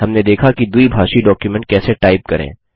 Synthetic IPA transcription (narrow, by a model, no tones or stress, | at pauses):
ɐmned̪eːkʰakid̪uibʱaːʃiɖɔːkjumɛ̃ɳʈ̚kɛːseʈaːɪp̚kɐɾḛ̃ː